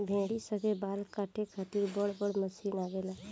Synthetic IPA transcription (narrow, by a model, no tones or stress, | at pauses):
bʱẽːɽisəɡebaːlkaːʈʰekʰaːt̪ɪɾbəɽbəɽməsiːnaːʋeːlaː